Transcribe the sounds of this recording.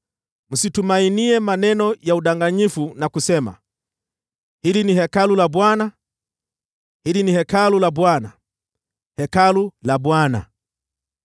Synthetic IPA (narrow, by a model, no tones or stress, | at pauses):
m̩situmainiɛmanɛnɔjauɗaŋɡaɲifunakusɛma̰ | hilinihɛkalulaɓwana | hilinihɛkalulaɓwana | hɛkalulaɓwana̰